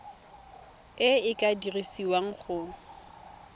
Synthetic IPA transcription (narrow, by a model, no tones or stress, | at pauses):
ɪɪkʼadirisiwaŋ̩χʊ